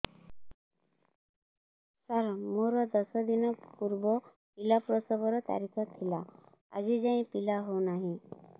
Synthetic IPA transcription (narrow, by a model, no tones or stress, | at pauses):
səɾmoɾɔd̪ɔsɔd̪inɔpuɾbɔ | pilapɾɔsɔbɔɾɔt̪a̰ɾikʰɔt̪ʰila | a̰d͡ʑid͡zaĩpilaɦonaɦĩ